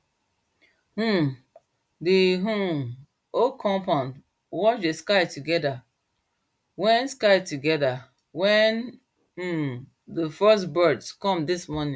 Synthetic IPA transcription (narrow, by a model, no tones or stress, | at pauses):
hũ | diɦũ | okʰɔ̃mpãnd | wɔt͡ʃdeskaɪtuɡɛda | wɛ̃nskaɪtuɡɛða | wɛ̃n̩ | dəfɜsbɜdskɔ̃mdismɔnĩ